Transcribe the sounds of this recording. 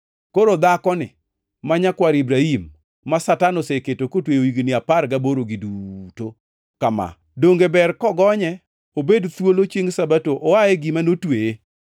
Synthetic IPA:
koɾod̪akɔnɪ̰ | maɲakwaɾibɾaimː | asatanoseketokotwejoiɡnɪapaɾɡaboɾoɡiduto | kama̰ | doŋɡebɛrkɔɡɔɲɛ | obedt̪wolot͡ʃjeŋsabatoʔowajeɡimanotweje

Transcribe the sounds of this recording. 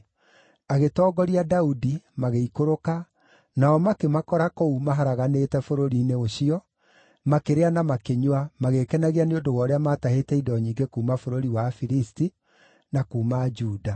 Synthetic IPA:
aɣetɔːɡɔɾiadaudimaɣeikoɾoka | naɔmakemakɔɾakoumaɦaɾaɣanetɛfoɾoɾiːneoɕiɔ | makeɾeanamakeɲwamaɣekɛnaɣianeodowɔɾeamaːtaɦetɛidɔɲiːŋɡekuːmafoɾoɾiwafiɾisti | nakuːmad͡ʒuːda

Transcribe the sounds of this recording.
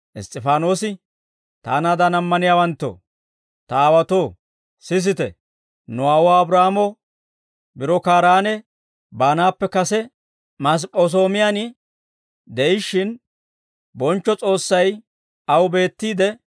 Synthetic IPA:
ʔɪ̰st̪ʼːɪfaːno̞ːsɪ | t̪a̰ːnaːd̪ɐnɐmːɐnɪjaːwɐnt̪ːo̰ː | t̪ɐaːwɐt̪o̞ː | sɪs̬ɪt̪ɛ̰ | nʊaːwaːbɾaːmɔ | bɪɾɔkaːɾaːnɛ | baːnaːpːɛkɐsɛ | mɐs̬pʼos̬o̞ːmɪjanɪ | d̪ɛɪʃɪn | bɔnt͡ʃːɔt͡sʼo̞ːsːɐj | ɐwbe̞ːt̪ːiːd̪ɛ

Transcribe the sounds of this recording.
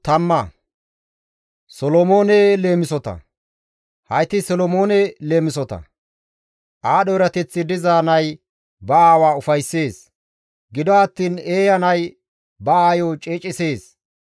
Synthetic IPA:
t̪ɐmːɐ | sɔlɔmo̞ːnele̞ːmɪsɔt̪ɐ̰ | hɐjt̪ɪsɔlɔmoːnɛle̞ːmɪsɔt̪ɐ̰ | ʔaːɗɔɪɾɐt̪ɛt͡sːɪd̪ɪzaːnɐj | bɐaːwaːʊfɐjsːe̞ːs | ɡɪd̪ɔɐt̪ːiːne̞ːjɐnɐj | bɐaːjoːt͡ʃʼeːt͡ʃʼɪse̞ːs

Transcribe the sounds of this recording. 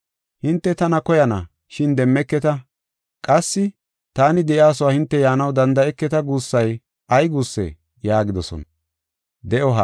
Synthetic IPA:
hɪnt̪ːɛt̪ɐnɐkɔjɐnɐ | ʃɪnd̪ɛmːɛkːɛt̪ɐ | kʼɐsːɪ | t̪aːnɪd̪ɛʔɪaːs̬ɔwaːhɪnt̪ːɛjaːnɐwd̪ɐnd̪ɐɛkːɛt̪ɐɡuːsːɐj | ʔɐjɡuːsːɛ̰ | jaːɡɪd̪ɔsɔ̰nɐ | d̪ɛʔɔɦɐ

